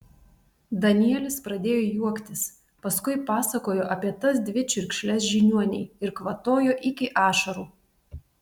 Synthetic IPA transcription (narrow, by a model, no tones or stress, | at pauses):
d̪ɐnʲiɛlʲɪspɾɐd̪ʲeːjoːjuɔkt̪ʲɪs | pɐskʊɪpɑːsɐkoːjoːʔɐpʲiɛt̪ɐsd̪ʲʋʲɪt͡ʃʲʊɾʲkʃʲlʲɛs̬ʒʲɪnʲuɔnʲɛɪɪɾkʋɐt̪oːjoːʔɪkʲɪʔɑːʃɐɾuː